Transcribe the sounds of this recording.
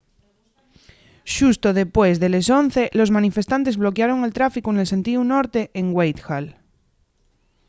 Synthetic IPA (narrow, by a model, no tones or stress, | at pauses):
ʃust̪oð̞epwezðeleson̟θe̞lo̞zmãnife̞st̪ant̪ezβlo̞keaɾo̞ŋe̞lt̪ɾafikuenelse̞nt̪iunoɾt̪eʔeŋɡwejt̪xal